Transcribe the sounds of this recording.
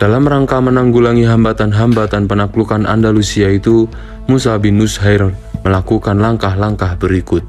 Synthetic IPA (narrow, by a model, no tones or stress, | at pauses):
d̥alamraŋkamənaŋɡulaŋiɦambat̪anɦambat̪anpənaklukana̰ndalusiait̪u | musabinusɦaɪrməlakukanlaŋkahlaŋkahbəɾikʊt̪̚